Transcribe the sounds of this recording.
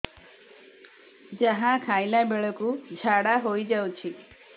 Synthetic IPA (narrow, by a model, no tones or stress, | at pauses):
d͡ʒəɦãkʰajlabeɭɔkud͡ʒʱaɽaɦoid͡ʒaut͡ʃʰi